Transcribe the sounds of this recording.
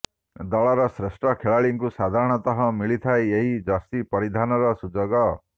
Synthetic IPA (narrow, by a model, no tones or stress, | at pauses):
d̪ɔɭɔɾɔsɾesʈɔkʰeɭaɭiŋkusad̪ʱaɾɔɽ̃ɔt̪ɔɦɔmiɭit̪ʰaeeɦid͡ʒɔst̪ipʌɾid̪ʱanɔɾɔsud͡ʒoɡɔ